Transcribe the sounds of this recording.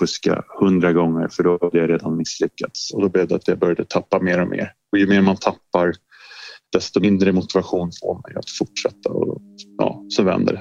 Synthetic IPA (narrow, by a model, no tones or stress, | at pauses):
fɵska̰hɵnd̪ɾaɡɔŋːəɾfœɖɔhad̪əjaɾeːd̪anmɪslʏkːat̪sɔd̪ɔblɛvd̪əat̪jabœɾjad̪ət̪ʰapːameːɾɔmʔḛːɾ | ɔjɵmeːɾmant̪ʰapːaɾ | d̪̥ɛst̪ɔmɪnd̪ɾəmʊt̪ɪvaɧuːnfo̰ːmɛ̰ja̰t̪fʊʈʂɛt̪ːaɔ̰jɑ̰ːsɔvɛ̰nd̪ə̰ɾɛ